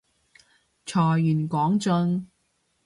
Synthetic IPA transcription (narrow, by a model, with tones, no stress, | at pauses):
t͡ʃʰɔː˨˩jyː˨˩nkɔː˨˥ŋt͡sɵ˧n